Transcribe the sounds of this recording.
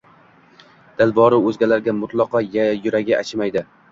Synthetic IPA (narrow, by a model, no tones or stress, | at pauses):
d̪̥alˠbɒɾɪɵzɡʲalaɾɡʲamʊt̪lˠɒqɒjjʊɾaɡʲɪʔat͡ʃʰɪmajd̪ɪ